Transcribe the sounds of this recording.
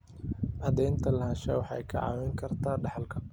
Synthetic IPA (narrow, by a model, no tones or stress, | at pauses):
ʔɐd̪ɛjnt̪ʰɐlɐɦɐʃɛwɑħɑ̰jkʰɐʕɑ̰ːwɛŋkʰɐrt̪ʰaːɖɑħɑlkʰɐ